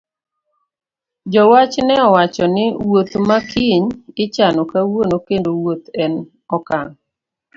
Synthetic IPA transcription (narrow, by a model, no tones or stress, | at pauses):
d͡ʒɔwat͡ʃnɛɔwat͡ʃɔnɪwot̪makʰiɲɪt͡ʃanɔkawonokendowot̪ɛn | ɔkaŋ